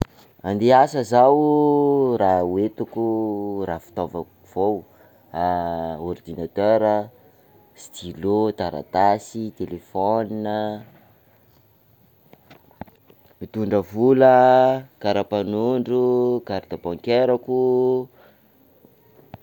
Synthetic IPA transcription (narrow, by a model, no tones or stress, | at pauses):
and̪easəzaw | rawet̪ukurafi̥t̪ovək | v̥ow | aord̪inat̪øɾə | st̪ilod̪aɾa̰t̪asit̪elefɔninə | mit̪uɳɖ͡ʐəvuləkaɾapanuɳɖ͡ʐukaɾd̪abɔŋkeɾaku